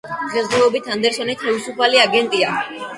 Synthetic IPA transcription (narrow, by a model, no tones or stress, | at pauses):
ʁɛzɛɔbit̪ʰand̪ɛɾsɔnit̪ʰavisupʰaliaɡɛnt̪ʼia